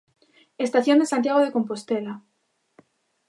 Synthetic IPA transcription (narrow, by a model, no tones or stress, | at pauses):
est̪aθjo̞nd̪esant̪jaɣ̞oð̞e̞ko̞mpo̞st̪ela